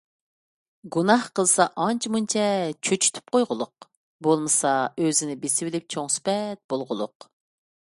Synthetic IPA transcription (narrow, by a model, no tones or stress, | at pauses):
ɡunɑhqəlˠsɑʔɑnt͡ʃʰmunt͡ʃʰɛt͡ʃʰøt͡ʃʰy̥t̪ʰy̥p̚qʰojʁʊlˠʊq | bolˠmɨsɑøzɪnɪbesɪwɪlɪp̚t͡ʃʰoŋsy̥pɛt̪̚b̥olˠʁʊlˠʊ̰q